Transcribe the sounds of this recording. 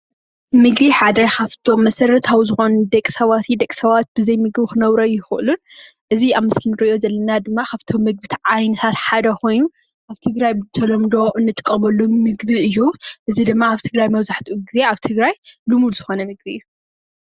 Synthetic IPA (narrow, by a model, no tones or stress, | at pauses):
mɨɡbiħad̪ɐkaβt̪ʰo̞mːɐsɐɾɐt̪ʰawizɨxo̞nd̪ɐkʼi̥sɐβat̪ʰid̪ɐkʼsɐβat̪̚b̥ɨzɐjmɨɡbxɨnɐβɾɐjɪxʔɨlun | ʔɨziaβmɨskɨnɨɾɨʔjozɐlːɐnad̪ɨmːakʰaβt̪ʰomɨɡ̚bɨt̪ʰʕajnɨt̪ʰat̪ħad̪ɐkʰo̞jnu | ʔaβt̪ʰɨɡɾajbɨt̪ʰɐlɐmd̪o̞ʔɨnːɨt̪ʼɨkʼːɐmɐlːumɨɡbiɨjːuʔɨzid̪ɨmːaaβt̪ʰɨɡɾajmɐβzaħt̪ʰʔuɡize̞aβt̪ʰɨɡɾajlumud̪z̥ɨxo̞nɐmɨɡ̚biɨjːu